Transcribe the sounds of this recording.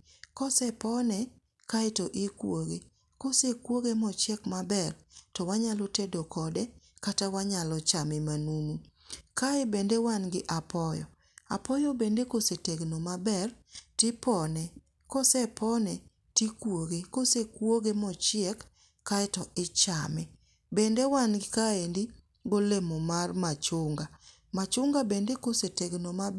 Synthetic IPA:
kɔsɛpɔnɛ | kaɪtɔʔɪkwoɡe | kosekwoɡemɔt͡ʃɪɛkmabɛrtɔwaɲalɔtedokɔdɛ | katawaɲalɔt͡ʃamɪmanunu | kaɪbendewanɡɪʔapɔjɔ̰ | a̰pɔjobendekoseteɡnomabɛr | tɪpɔnɛ | kɔsɛpʰɔnɛ | tikwoɡekosekwoɡemɔt͡ʃɪɛkː | aɛtɔʔɪt͡ʃa̰mɛ | bendewanɡɪkaendi | ɡolemɔmarmat͡ʃʊŋɡa | mat͡ʃʊŋɡabendekoseteɡnomab

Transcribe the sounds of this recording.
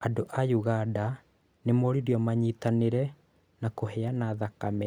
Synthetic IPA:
adoʔajuɣada | nemoɾiɾiɔmaɲitaneɾɛ | nakoɦɛanaːðakamɛ

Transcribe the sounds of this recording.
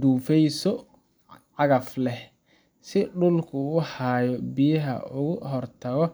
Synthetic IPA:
d̪uːfɛjsɔ | ʕɑɣɐflɛ | sɪɖʊlkʰʊːħaːjɔbijɐɦɐ̰ʊɣʊɦɔrt̪ʰɐɣɔ

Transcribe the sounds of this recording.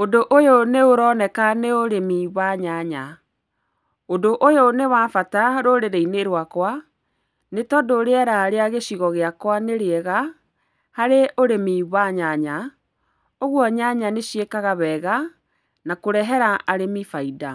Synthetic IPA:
odoʔojoneoɾɔːnɛkaneoɾemiβaɲaɲa | odoʔojonewaːfataɾoɾeɾeineɾwakwa | netɔdoɾeɛɾaɾeaɣeɕiɣɔɣeakwaneɾeɛɣa | haɾeʔoɾemiβaɲaɲa | oɣwɔɲaɲaneɕiekaɣaβɛɣa | nakoɾɛɦɛɾaaɾemifaida

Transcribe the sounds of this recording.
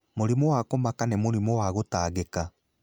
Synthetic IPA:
moɾimɔwakomakanɛmoɾimɔwaɣotaːɣeka

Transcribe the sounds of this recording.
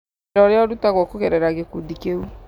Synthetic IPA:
ɾɔɾeɔdutaɡɔkokɛɾɛɾaɡekodikeu

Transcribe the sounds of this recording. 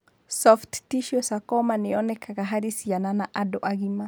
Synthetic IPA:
sɔfttiʃiɔsakɔmaniɔnɛkʰaɣaɦaɾisiananaʔadɔʔaɣima

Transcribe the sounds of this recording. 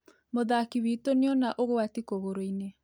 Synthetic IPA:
moðakiβitoneɔnaʔoɣoatikoɣoɾoine

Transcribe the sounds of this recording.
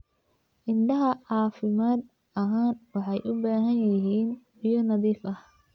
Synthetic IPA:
ʔɪnɖɐɦɐʕɑːfɪmaːd̪ | ʔɐɦaːnwɑħɑjʔʊbaːɦɐnjɐɦiːn | ijɔnɐðiːfɐh

